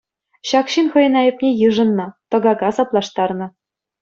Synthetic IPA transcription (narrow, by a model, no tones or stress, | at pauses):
ɕɑkɕinχɤ̆jɤ̆nɑjɘ̆pnʲejɯʐɤ̆nːɤ̆t̪ɤ̆ɡɑɡɑsɑplˠɑʂt̪ɑrnɤ̆